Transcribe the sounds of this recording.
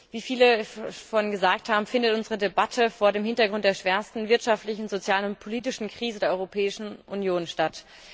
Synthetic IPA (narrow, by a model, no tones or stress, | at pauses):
viːfiːləfɔnnɡəzaːk̚thaːbm̩fɪndətʔʊnzəʁ̞ədebatʰəfoːɐɾeːmhɪntɐɡʁʊntd̥eːɐʃv̥ɛːɐstn̩vɪɐtʃaftlɪçn̩zot͡sjaːlənʊntpʰoliːtɪʃn̩kʁ̥iːzədeːɐʔɔʁopʰɛːɪʃn̩ʔunjoːnʃtat